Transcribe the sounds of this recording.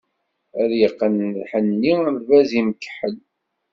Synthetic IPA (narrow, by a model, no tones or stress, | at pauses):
æðjəqːənðħənːiæmvæzimkːħəl